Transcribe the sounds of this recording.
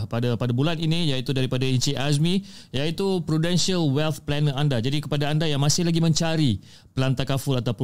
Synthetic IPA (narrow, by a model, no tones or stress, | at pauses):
padapadabulaninijait̪udaɾipadaint͡ʃiʔas̬mĩjait̪upɾudɛnsiəlwɛlt̪̚plɛnəandad͡ʒadikə̥padaːndajaŋmãsɪhlaɡimə̃ɲt͡ʃaɾi | pəlant̪akafʊlat̪awpʊ